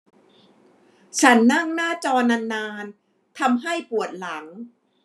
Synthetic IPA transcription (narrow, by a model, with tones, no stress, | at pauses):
t͡ɕʰa˦˥nːa˥˩ŋnaː˥˩t͡ɕɔː˧nːa˧nːaː˧n | t̪ʰa˧mɦa˥˩jpu˨˩ət̪̚la˩˦ŋ